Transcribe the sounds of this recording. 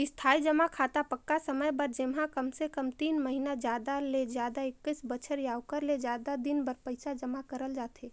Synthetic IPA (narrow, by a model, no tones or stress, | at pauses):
ɪst̪ʰaːid͡ʒəmakʰaːt̪apəkːasəməjbəɾd͡ʒɪmɦãkəmsekəmt̪iːnməɦinad͡ʒjaːd̪alezjaːd̪aɪkːəsbət͡ʃʰəɾjaːwkəɾled͡ʒjaːd̪ad̪ɪnbəɾpəɪsad͡ʒəmakəɾəld͡ʒaːt̪ʰeː